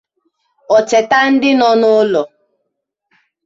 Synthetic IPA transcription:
ɔ˨t͡ʃɛ˨ta˦n̩˦dɪ˦nɔ˦nʊ˦lɔ˨

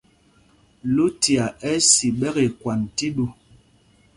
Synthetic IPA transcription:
lu˦ti˨a˨ʔɛ˦si˨ɓɛ˦ɣe˨kwa˨nti˦ɗu˦˨

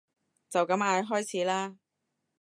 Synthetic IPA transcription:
t͡sɐ˨wkɐ˨˥maː˨˧jɦɔː˥jt͡sʰiː˨˥laː˥

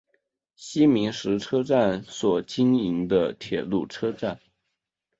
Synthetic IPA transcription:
ɕi˥mi˧˥ŋʂɻ̩˧˥ʈ͡ʂʰɤ˥ʈ͡ʂa˥˩nswɔ˨˩t͡ɕi˥ŋi˧˥ŋd̪ə˧t̪ʰjɛ˨˩lṵ˥˩ʈ͡ʂʰɤ˥ʈ͡ʂa˥˩n

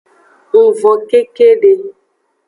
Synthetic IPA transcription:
vɔ˨ke˦ke˦ɖe˨

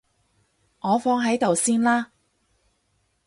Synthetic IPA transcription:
ŋɔː˨˧fɔː˥ŋɦɐ˨˥jt̪o˨wsiː˥nlaː˥

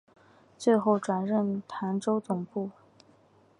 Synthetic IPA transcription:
t͡swe˥˧ɪxo˥˩ʊʈ͡ʂwa˨˩nɻə˥˩nt̪ʰa˧˥nʈ͡ʂo˥ʊt͡sʊ˨˩ŋpu˥˩

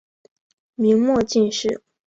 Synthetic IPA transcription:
mi˧˥ŋmwɔ˥˧t͡ɕi˥˧nʂɻ̩˥˩

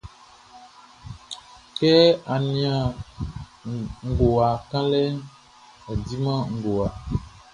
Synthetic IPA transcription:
kɛ˦a˨nĩ˨ã˨ | ŋ̩˦˨ɡo˨a˨kã˦lɛ˦ | ɛ˨di˦mã˦ŋ̩˨ɡo˨a˨

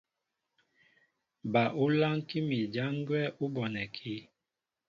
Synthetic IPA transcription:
ba˨ʔu˦la˦ŋki˦mi˨d͡ʒa˦ŋɡwɛ˦ʔu˦bɔ˨nɛ˨kʰi˦

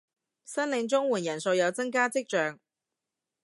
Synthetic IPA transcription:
sɐ˥nlɪ˨˧ŋt͡sʊ˥ŋwuː˨˩njɐ˨˩nso˧wjɐ˨˧wt͡sɐ˥ŋkaː˥t͡sɪ˥k̚t͡ʃœː˨˧ŋ

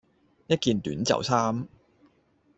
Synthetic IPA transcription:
jɐ˥t̚kiː˨˧nt̪yː˨˥nt͡sɐ̰˨˩wsʰaː˥m

